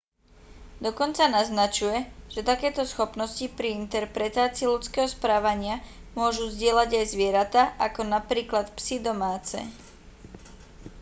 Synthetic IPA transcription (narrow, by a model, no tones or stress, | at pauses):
d̪ɔkɔnt͡sanaznat͡ʃujɛʒ̥ɛt̪akɛːt̪ɔsxɔpnɔscipɾiint̪ɛɾpɾɛt̪aːt͡siilut͡skɛːɦɔspɾaːʋaɲɪamʊɔʒuzɟɪɛlaɟajzʋɪɛɾat̪aʔakɔnapɾiːklat̪psid̪ɔmaːt͡sɛ̰